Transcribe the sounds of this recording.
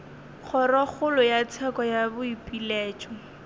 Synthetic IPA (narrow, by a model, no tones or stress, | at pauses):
k͡xʰɔrɔk͡xʊlʊjat͡sʰɛkɔjabʊipʼileːt͡ʃʼɔ